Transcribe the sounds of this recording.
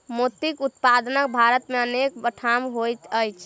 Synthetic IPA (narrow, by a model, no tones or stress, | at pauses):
mot̪ikut̪pad̪nəkbʱaɾət̪meənek̚bəʈʰamɦojt̪əjt͡ʃʰ